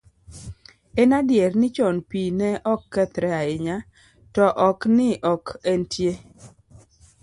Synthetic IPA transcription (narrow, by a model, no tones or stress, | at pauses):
ɛnadjɛrnɪt͡ʃɔnpinɛʔɔkːɛt̪ɾɛaɪɲa | tɔʔɔknɪʔɔkɛntje